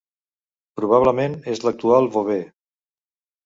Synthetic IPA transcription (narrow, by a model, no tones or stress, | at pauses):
pɾuβ̞aβləmenezlək̚t̪ualˠβoβe